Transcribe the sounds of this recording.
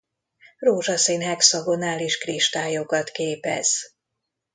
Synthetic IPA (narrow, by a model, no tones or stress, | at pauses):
roːʒɒseːnɦɛksɒɡo̞naːliʃkriʃt̪aːjokɒt̪keːpɛ̰z̥